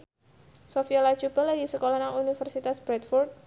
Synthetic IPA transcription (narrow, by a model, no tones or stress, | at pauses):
sofialḁd͡ʒ̥ub̥alaɡisəkolanaŋunifərsit̪asb̥ɾɛt̪̚fɔrt̪̚